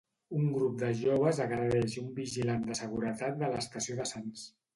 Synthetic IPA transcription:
uŋɡɾup̚d̪əʒoβ̞əzəɣɾəðɛʃumbiʒiland̪əsəɣ̞uɾət̪at̪̚d̪ələst̪əsioðəsans

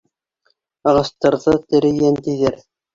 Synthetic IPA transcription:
ɑʁɑst̪ɑɾðɤt̪ɘ̆ɾɘ̆jænt̪iðɘɾ

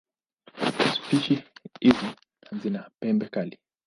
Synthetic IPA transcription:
su̥piʃiizi | zinapɛmbɛkali

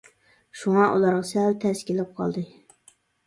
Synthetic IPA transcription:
ʃuŋɑʔṵlˠɑɾʁɑsɛlt̪ʰɛskʲilɪp̚qʰɑ̰lˠd̪ɨ

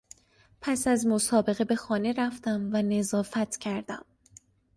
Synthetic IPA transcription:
pʰæsæzmo̞sɒːbe̞ɣe̞be̞xɒːne̞ɾæft̪æmvæne̞zɒːfæt̪ʰcʰæɾd̪æm

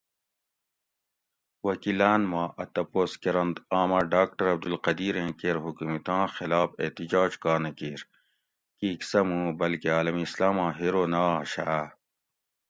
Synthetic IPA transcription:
wɐkilaːnmãːʔɐt̪ɐpoːskeɾɐnd̪aːmaːɖaːk̚ʈɐɾɐb̚d̪ulqɐd̪iːɾẽːkeɾɦukmit̪ãːxilaːfḛt̪id͡ʑaːd͡ʑkaːnɐkiːɾ | kiːksɐmũːbɐlkeaːlɐmiːslaːmãːɦiɾoːnaːɕaː

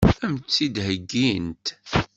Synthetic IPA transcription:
θæmt͡sːid̪həɡːint̪

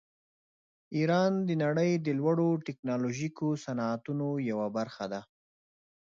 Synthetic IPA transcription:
iɾɑnd̪ənaɽəjd̪əlwaɽoʈɪknɑloʒikosanɑːt̪unojawabaɾxad̪a

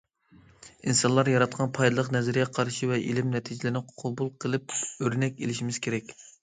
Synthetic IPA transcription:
insɑnlˠɑɾjɑɾɑt̪̚qʰɑnpʰɑjd̪ɨlˠəqnɛzɾɡʲɛqʰɑɾʃivɛʔḭlɪmnɛt̪ʰid͡ʒɪlɪɪnɪqʰɑbulˠqʰəlˠɨp̚øɾnɛkʲelɪʃimɪz̥kʲʰeɾɛkʲ

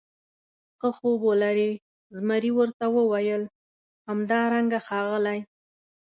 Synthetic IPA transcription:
xəxobolaɾe | zmaɾiwəɾt̪awəwajəl | hamd̪ɑɾaŋɡaxɑɣəlaj

